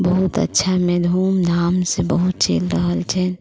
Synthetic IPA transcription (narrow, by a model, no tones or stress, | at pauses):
bəɦut̪ə̰tːʃʰamed̪ʱumd̪ʱamsẽbəɦut̪̚t͡ʃḛlɾəɦəlt͡ʃʰɛ